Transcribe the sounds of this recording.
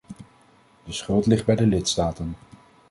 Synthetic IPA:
dəsχɵlˠtlɪχd̚bɛjdəlɪtstaːtən

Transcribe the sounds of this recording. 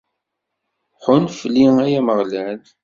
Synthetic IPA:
ħʊnfəlːiæjæməʁlæl

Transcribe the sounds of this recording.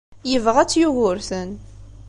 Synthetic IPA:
jəvʁæt͡sːjuʝʊɾθən

